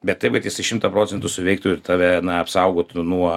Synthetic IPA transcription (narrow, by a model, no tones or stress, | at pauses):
bʲɛt̪t̪ːɐɪpkɐt̪jʲɪsɐɪʃʲɪmt̪ɐpɾoːt͡sʲɛnt̪ʊsʊʋʲɛɪk̚t̪oːjɪɾt̪ɑːʋʲɛnɐɐpsɐʊɡoːt̪nuɔ